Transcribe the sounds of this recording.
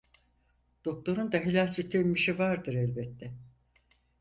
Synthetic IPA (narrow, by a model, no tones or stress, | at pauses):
d̪̥o̞k̚t̪o̞ɾund̪aɦilʲalʲsyɾt̪ʰelʲmiʃivaɾd̪ɯɾɛlʲbɛt̪ːɛ